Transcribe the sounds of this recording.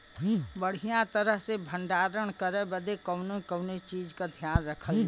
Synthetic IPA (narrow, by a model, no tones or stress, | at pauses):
bəɽ̤ijãt̪əɾəɦsebʱə̃ɳɖaːɾəɽ̃kəɾẽbəd̪ekəʊnõkəʊnet͡ʃiːd͡ʒkad̪ʱjaːnɾɐkʰəl